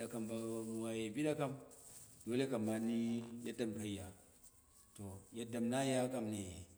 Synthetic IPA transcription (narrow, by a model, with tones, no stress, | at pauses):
ɗa˨ka˨mba˨mu˨wa˨je˨bi˦ɗa˦ka˦mdo˦le˦ka˨mːa˨ni˦ja˦da˦˨mka˦i˦ja˨ | to˨ja˦da˨mna˦ja˦ka˦mne˨